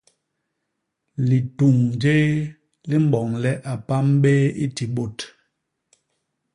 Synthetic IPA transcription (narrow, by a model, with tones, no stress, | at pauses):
li˨tu˨ŋd͡ʒe˦ | li˦m̩˦ɓɔ˨ŋlɛ˦ʔa˨pa˦m˦ɓe˦ḭ˦ti˨ɓo˨t